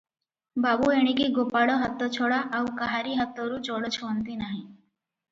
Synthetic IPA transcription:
baːbueɽ̃ikiɡopaːɽoɦət̪ːɔt͡ʃʰoːɽaʔaukaɦaɾiɦət̪ːoɾut͡ʃɔːɽot͡ʃʰoːnt̪inaːɦĩ

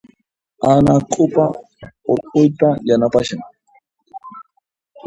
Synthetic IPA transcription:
anakʼʊpa | oɾqʼʊjt̪ajanapaʃaŋ

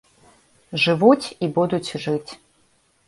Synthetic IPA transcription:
ʐɨvut͡sʲibud̪ut͡sʲʐɨt͡sʲ

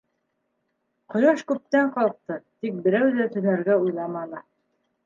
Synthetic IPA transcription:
qŏjɑʃkʉp̚t̪æɴqɑlˠq̚t̪ɤt̪ik̚bɘ̆ɾæwðæt̪ɵ̆næɾɡæujlˠɑmɑlˠɤ

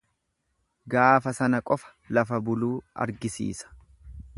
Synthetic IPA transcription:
ɡaːfɐsɐnɐkʼɔfɐ̥ | lɐfɐbʊluːɐ̰ɾɡɪsḭːsɐ̥

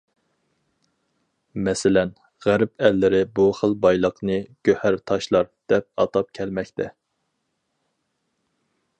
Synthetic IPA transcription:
mɛsɪlɛn | ʁæɾpɛlːɪɾɪbuχəlˠbɑjlˠəqʰnɨɡ̥ʲøhæɾt̪ʰɑʃlˠɑɾd̪̥ɛp̚ɑ̰t̪ɑp̚kʲʰɛlmɛkʲt̪ʰɛ

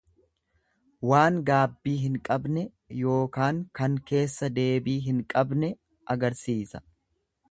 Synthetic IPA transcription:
waːŋɡaːbːiːɦɪŋkʼɐbnɛ | jo̞ːkaːŋkɐŋke̞ːsːɐd̪e̞ːbiːɦɪŋkʼɐbnɛ | ʔɐɡɐɾsiːsɐ̥

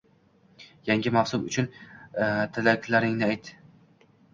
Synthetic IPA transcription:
jaŋɡʲɪmafsʊmʊ̰t͡ʃʰʊn | t̪ʰɪlakʲʰlaɾɪŋnɪajt̪ːɪ

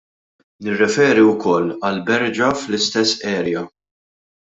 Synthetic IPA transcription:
nɪrːɛfɛːɾiwkɔlːɐlbɛɾd͡ʒɐflɪst̪ɛsːɛːɾjɐ

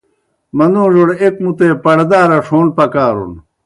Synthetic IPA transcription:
mɐnd̪õːʐoɽek̚mut̪eːpɐɽd̪aːɾɐʂʰoːnpɐkaːɾṵn

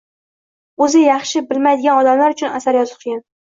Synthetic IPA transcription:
ɵzɪjɑχʃɪbɪlmajd̪ɪɡʲanɒd̪amlaɾʊt͡ʃʰʊnasaɾjɒzɨt̚qʰɨɡʲan

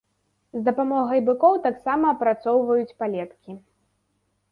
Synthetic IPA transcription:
zd̪ɐpamɔɣɐjbɨkɔwt̪aksamɐːpɾat̪sɔwvɐjut͡sʲpalʲɛt̪kʲi

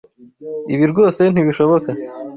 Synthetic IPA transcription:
iβiɾɡo̞ːse̞n̥iβiʃo̞βo̞ka

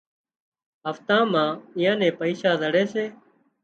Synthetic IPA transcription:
ɦəft̪ãːmãːɪjãːnẽːpəiːsaːzəɽeːseː

